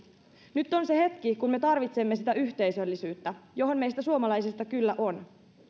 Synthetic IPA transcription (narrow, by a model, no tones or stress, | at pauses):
nyt̪ːo̞nse̞he̞t̪kikunme̞t̪ɑrʋit̪semːesit̪æʔyçt̪e̞jsø̞lːisyːt̪ːæjo̞ɦo̞nmejst̪æsuomɑlɑjsist̪ɑkylːæʔo̞n